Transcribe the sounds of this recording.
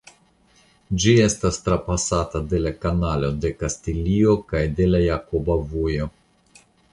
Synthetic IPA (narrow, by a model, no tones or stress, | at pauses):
d͡ʒie̞stastɾapasatade̞lakanalo̞de̞kastilio̞kajde̞lajakobavujo̞